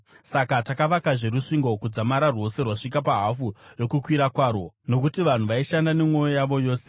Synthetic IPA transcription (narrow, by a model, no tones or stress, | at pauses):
sakatakaʋakaʐe̞ɾuʂiŋɡo̞kud͡zamaɾarwo̞se̞rwaʂik̬apaɦafujo̞kukwiɾakwaːɾo̞no̞kutiʋan̤uʋaiʃandanemwo̞jojaʋo̞jo̞ːse